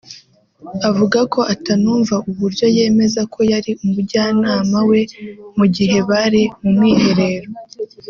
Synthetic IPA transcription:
avuɡako̞ʔatanuːɱvaʔuβuɾjo̞je̞ːme̞zakʰo̞jaɾiumuɾɟaːnaːmawe̞muɟiɦe̞βaɾimumŋiːhe̞ɾe̞ɾo

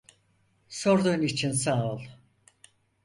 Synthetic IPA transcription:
soɾd̪onit͡ʃʰinsaːolˠ

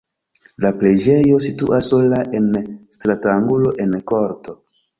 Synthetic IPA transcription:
laple̞d͡ʒe̞jo̞sitṵʔasːo̞laʔe̞nstɾataŋɡulo̞ʔe̞nko̞ɾto̞

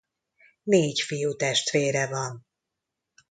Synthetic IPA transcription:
neːcfijut̪ɛʃt̪ʋeːɾɛvɒn

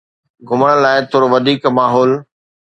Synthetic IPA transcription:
ɡʱʊməɽ̃laːɪt̪ʰoːɾoʋɐd̪ʱiːkmaːɦɔːl

